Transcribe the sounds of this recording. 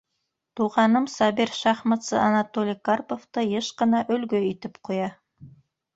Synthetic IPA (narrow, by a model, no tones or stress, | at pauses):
t̪uʁɑnɤmsɑbiɾʃɑχmɑt̪sɤ̰ʔɑnɑt̪olʲikarpoft̪ɤjeʃqɤ̆nɑʔɵ̆lɡɵit̪ɘpqʰujɑ